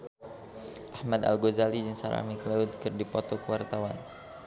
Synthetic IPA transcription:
ʔahmad̪a̰lɡozalid͡ʒɨŋsaɾa̰miklaut̪̚kɨrdipɔt̪ɔkəwart̪awan

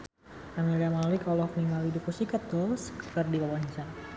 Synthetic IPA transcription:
amiliamalɪkɔlɔhnimalidupusikat̪̚ɔlskkərdikawaɲt͡ʃa

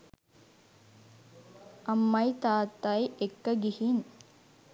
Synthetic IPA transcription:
ɐmːɐjt̪aːt̪ːajekːɐɡihin

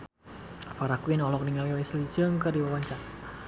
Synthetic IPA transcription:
faɾakuwinɔlɔk̚diŋaliwɛslit͡ʃəŋkərdiwawaɲt͡ʃak

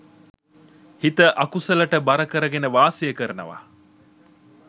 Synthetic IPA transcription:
hit̪əʔɐkusəlɐʈəbɐɾɐkəɾəɡenəʋaːsijəkəɾənɐ̰ʋa̰

